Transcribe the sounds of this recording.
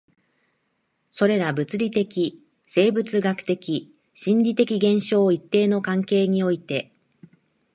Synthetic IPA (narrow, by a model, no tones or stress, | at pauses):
so̞ɾe̞ɾabɯ̟t͡sɨɾʲit̪e̞kʲi | se̞ːbɯ̟t͡sɨɡakɯ̟̥t̪e̞kʲi | ɕĩɲɾʲit̪e̞kʲiɡẽ̞ɰ̃ɕo̞ːit̪ːe̞ːno̞kãŋke̞ːɲ̟io̞it̪e̞